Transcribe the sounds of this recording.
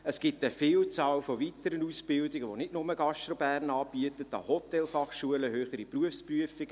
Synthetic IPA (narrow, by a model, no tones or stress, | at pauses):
əsɡ̥ɪtəfiːlt͡sɑːlfɔvitəɾənuːsb̥ɪldɪɡəʋonɪdnʊməɡɑʃt̪ɾobæːrnɑːbiətətɑ̰hɔtɛlfɑχʃuələhøːχəɾipruəfspryəfiɡ̥